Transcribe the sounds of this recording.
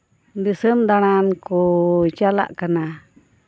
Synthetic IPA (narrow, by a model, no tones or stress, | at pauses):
d̪isəmd̪aɽ̃ankut͡ʃala̰ʔkana